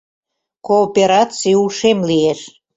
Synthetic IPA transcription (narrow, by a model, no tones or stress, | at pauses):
koːpeɾɑt͡sijuʃemlieʃ